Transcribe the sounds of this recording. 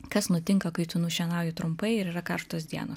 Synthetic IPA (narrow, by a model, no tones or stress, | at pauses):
kɐsnʊt̪ʲɪŋkɐkɐɪt̪ʊnuʃʲɛnɑˑʊjɛt̪ɾʊmpɐɪɪɾiːɾɐkɐɾʃt̪oːsd̪ʲiɛ̰nos